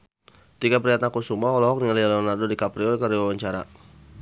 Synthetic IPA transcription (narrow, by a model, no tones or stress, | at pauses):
t̪ikapɾiat̪̚nakusumaɔlɔɦɔk̚nialialɔnardodikapɾiɔkaɾiwawaɲt͡ʃaɾa̰